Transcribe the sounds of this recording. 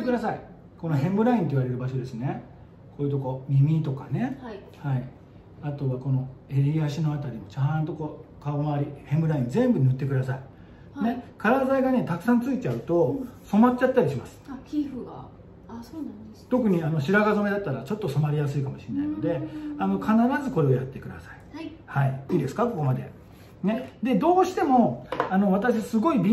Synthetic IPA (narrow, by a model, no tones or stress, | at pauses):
t̪ːekɯd̪asai | ko̞no̞ɦẽ̞mbɯ̟ɾaĩnt̪o̞iβaɾe̞ɾɯ̟baɕo̞d̪e̞sɨne̞ | ko̞ːjiɯ̟t̪o̞ko̞mʲimʲit̪o̞ka̰ne̞ | hai | at̪o̞βako̞no̞e̞ɾʲiaɕino̞at̪aɾʲimo̞t͡ɕãnt̪o̞koːkamaaɾʲihẽ̞mbɯ̟ɾaĩnd͡zẽ̞mbɯ̟nɯ̟t̪ːe̞kɯd̪asai | ne̞kaɾazaiɡane̞t̪akɯ̟̥sãnt͡sɨit͡ɕaɯ̟t̪o̞so̞matt͡ɕːat̪ːaɾʲiɕimasɨ̥iɡ | on | t̪o̞kɯ̟ɲ̟iano̞ɕiɾaɡazo̞me̞d̪at̪ːaɾat͡ɕo̞t̪ːo̞so̞maɾʲijasɨikamo̞ɕiena̰ino̞d̪e̞ano̞kʰanaɾazɨko̞ɾe̞ojat̪ːe̞kɯ̟d̪a̰saihaiiːd̪e̞sɨ̥kako̞ko̞mad̪e̞̰ | ne̞d̪e̞d̪o̞ːɕi̥t̪e̞mo̞ano̞βat̪aɕiasɨɡo̞ibʲi